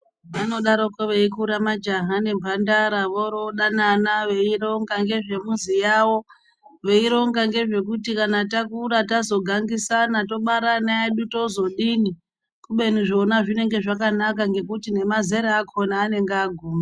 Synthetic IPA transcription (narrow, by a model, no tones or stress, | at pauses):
ʋano̞ɗaɾo̞koʋeikuɾamad͡ʒaɦane̞mbʱandaɾaʋoɾoɗananaʋe̞iɾo̞ŋɡaŋɡe̞ʐe̞muzijawo̞ | ʋe̞iɾo̞ŋɡaŋɡe̞ʐe̞kutikanatakuɾatazo̞ɡʱaŋɡisanato̞ɓaɾanaeɗuto̞zo̞ɗini | kuɓe̞niʐo̞naʐine̞ŋɡe̞ʐakanakaŋɡe̞kutine̞maze̞ɾeːkʰo̞naːne̞ŋɡaɡʱuːma